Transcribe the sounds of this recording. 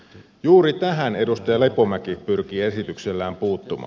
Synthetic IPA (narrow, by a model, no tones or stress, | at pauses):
juːɾit̪æɦæne̞dust̪ɑjɑlepomækipyrk̟ie̞sit̪ykselːæːmpuːt̪ːumɑ̰ː